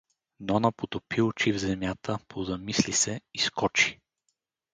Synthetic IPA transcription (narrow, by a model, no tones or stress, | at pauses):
nɔnəpot̪opiʊt͡ʃivzɛmjat̪ʰəpʰozɐmislisɛiskɔt͡ʃi̥